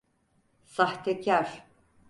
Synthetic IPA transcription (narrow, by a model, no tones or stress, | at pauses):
saht̪ʰecʰaɾ̥